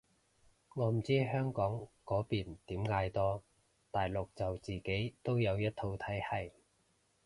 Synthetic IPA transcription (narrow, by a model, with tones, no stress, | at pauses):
ŋɔː˨˧m̩˨˩t͡siː˥ɦœː˥ŋkɔː˨˥ŋkɔː˨˥piː˨˩nt̪iː˨˥mŋaː˧jt̪ɔː˥ | t̪aː˨jlʊ˨k̚t͡sɐ˨wt͡siː˨˩ke˨˥jt̪o˥wjɐ˨˧wjɐ˥t̚t̪ʰo˧wt̪ʰɐ˨˥jhɐ˨˩j